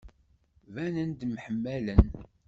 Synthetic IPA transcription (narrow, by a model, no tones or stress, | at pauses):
vænənd̪mħəmːælən